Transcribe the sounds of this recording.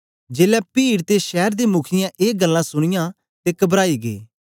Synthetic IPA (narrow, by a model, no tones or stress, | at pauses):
d͡ʒeːlɛpiːɽt̪eʃɛːɾd̪emʊkʰɪjãʔeːɡəlːãːsʊɽ̃ɪjãː | t̪ekɐbɾaːiɡḛː